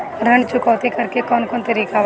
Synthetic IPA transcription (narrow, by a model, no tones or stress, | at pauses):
ɾɐɳt͡ʃʊkɔːt̪ikɐɾkekɔːnkɔːnt̪ɐɾiːkaʋ